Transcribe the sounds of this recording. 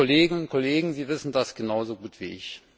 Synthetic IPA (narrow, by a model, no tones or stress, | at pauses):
oleːɡəʊnt̚kʰoleːɡŋ̩ziːvɪsn̩dasɡ̥ənaʊzoɡuːtv̥iːʔɪ̰ç